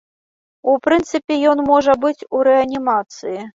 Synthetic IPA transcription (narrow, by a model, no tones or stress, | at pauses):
upɾɨnt̪sɨpʲɛjɔnmɔʐɐbɨt͡sʲuɾɛɐnʲimat̪sɨji